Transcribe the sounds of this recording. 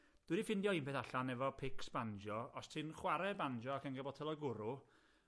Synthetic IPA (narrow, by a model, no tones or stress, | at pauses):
d̥wɨdifɪndjɔiːnpeːθaɬanɛvɔpʰɪksb̥and͡ʒɔɔstʰɨnχwaɾɛband͡ʒɔakʰənɡəbɔtʰɛlˠɔɡʊɾʊ